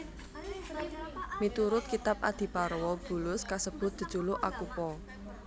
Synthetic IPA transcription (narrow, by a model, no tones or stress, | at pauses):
mit̪uɾʊt̪̚kit̪ap̚a̰d̪̥i̤paɾwɔb̥ṳlʊskasəb̥ʊ̤t̪̚d̪̥ə̤̥ʒ̥ulʊʔakupɔ